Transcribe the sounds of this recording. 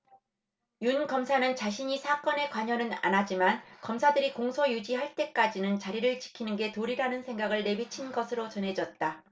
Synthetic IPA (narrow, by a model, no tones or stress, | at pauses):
junkʌmsʰanɯnt͡ɕaɕ̬ʰiɲisʰak͈ʌne̞kwaɲʌnɯna̰nad͡ʑimankʌmsʰadɯɾikoŋsʰʌjud͡ʑiɦaɭt͈e̞k͈ad͡ʑinɯnt͡ɕaɾiɾɯɭt͡ɕi̥kʰinɯnɡe̞toɾiɾanɯnsʰe̞ŋɡaɡɯɭːe̞bit͡ɕʰinɡʌsʰɯɾot͡ɕʌnɦe̞d͡ʑʌt̚t͈a